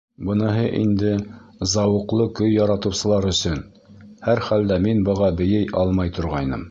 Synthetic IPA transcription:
bɤ̆nɑɦɤʔḭnd̪ɘzɑwɤ̆qlˠɤkɵjːɑɾɑt̪ɤ̆wsɤ̆lˠɑɾɵ̆sɵn | hæɾχæld̪æminbɤ̆ʁɑbɘ̆jɘjʔɑlˠmɑjt̪ŏɾʁɑjnɤ̰m

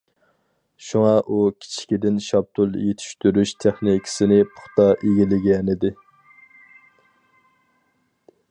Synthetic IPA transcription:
ʃuŋɑʔukʲʰi̥t͡ʃʰi̥kʲid̪ɪnʃɑb̚t̪ʰulˠjet̪ʰy̥ʃt̪yɾyʃt̪ʰeχnikʰʲɪ̥sɪnɪpʰʊ̥χt̪ɑʔeɡʲilɪɡʲɛnɪd̪ɪ

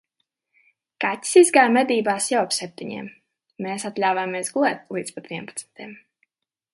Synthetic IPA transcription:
katʲi̥sizɡaːɾmɛd̪iːbaːsjawapsɛp̚t̪iɲḭmː | eːsat̪lʲaːwvameɛsɡulˠɛːt̪̚lˠiːt̪spat̪viɛnpḁt̪smʲt̪iɛm

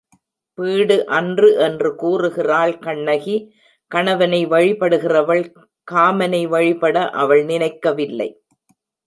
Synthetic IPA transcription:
piːɽɯʔɐndrɯʔɛndrɯkuːrɯɣɪraːlkɐɳːɐɣi | kɐɳɐʋɐnɐɪʋɐɻɪpɐɽɯɣɪrɐʋɐɭ | kaːmɐnɐɪʋɐɻɪpɐɽɐʔɐʋɐɭnɪnɐɪkːɐʋɪlːɐ̰ɪ

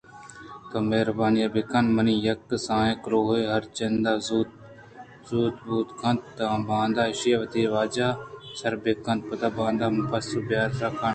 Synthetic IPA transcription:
t̪ɐmeɦɾbaːnɪjaːbekanmɐniːjɐkːsãːẽkɾoːɦeːɦɐɾt͡ʃɐnd̪aːzuːt̪ | zuːt̪buːt̪kʰɐ̃nt̪t̪abãːnd̪aːɪʃjaːʋət̪iːʋaːd͡ʒaːsɐɾbeːkɐ̃nt̪̚pɐt̪aːbãːnd̪aːmʊpʰɐsɪlbjaːɾt̪ɾaːkʰaɳ

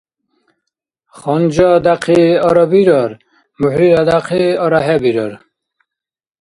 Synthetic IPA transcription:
χɔnd͡ʒɔd̪aqʰiɔɾɔbiɾɔɾ | muhɾiɾad̪aqʰiɔɾaɦɛbiɾɔɾ

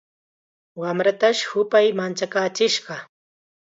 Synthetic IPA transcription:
wamɾat̪aʃhʊpajmant͡ʃakaːt͡ʃɪʃɢɑ

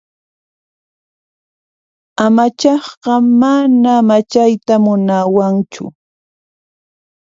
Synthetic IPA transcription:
amat͡ʃɑχɢɑmanamat͡ʃajt̪amʊnawaŋt͡ʃʊ̰

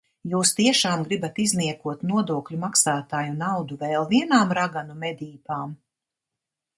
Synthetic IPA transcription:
juːst̪iɛʃaːmɡɾibat̪izniɛkuɔt̪nuɔd̪uɔklʲumaksaːt̪aːjunawd̪uvɛːlˠviɛnaːmɾaɡanumɛd̪ʲiːpaːm

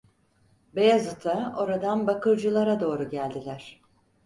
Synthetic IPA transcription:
bejazɯt̪ʰao̞ɾad̪anbakɯɾd͡ʒɯlˠaɾad̪o̞ːɾuɟælʲd̪ilʲæɾ̥

